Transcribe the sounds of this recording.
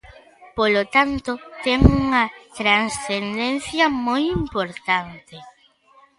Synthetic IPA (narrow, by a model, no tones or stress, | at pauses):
polot̪ant̪ot̪ɛŋuŋɐt̪ɾansθend̪ẽn̟θjɐmojimpoɾt̪ant̪e